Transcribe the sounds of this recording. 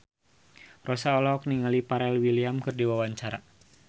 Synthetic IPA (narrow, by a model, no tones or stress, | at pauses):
rɔsaɔlɔk̚niŋalipaɾɛlwiliamkɨrdiwawaɲt͡ʃaɾa̰